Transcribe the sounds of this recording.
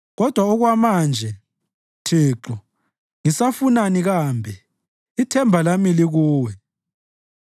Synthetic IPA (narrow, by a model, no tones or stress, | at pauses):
ɣɔd̥ʱwauɣwamand͡ʒʱɛ | tʰiːǃɔ | ŋisafunaniɣaːmbʱɛ | itʰɛmbʱalamiliɣuːwɛ